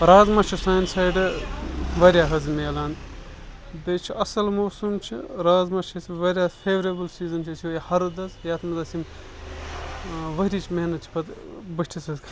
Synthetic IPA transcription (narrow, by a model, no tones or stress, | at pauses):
ɾaːzmɐt͡ʃʰusaːjnsaːjɖɨ | ʋɐɾʲjaɦɐzmeːlaːn | d̪eːt͡ʃʰiɐsɐlmoːsumt͡ʃʰḭɾaːzmɐt͡ʃʰɐsiʋɐɾjaːfʰeːʋɐɾebɨlsiːzɐnt͡ʃʰisʰioːjihɐɾud̪ɐzjɐːt̪mɐzɐsim | ʋɐɾʲiːt͡ʃʰmeɦnɐt̪̚t͡ʃʰi̥pɐt̪bɐʃʈʰisɐzkʰ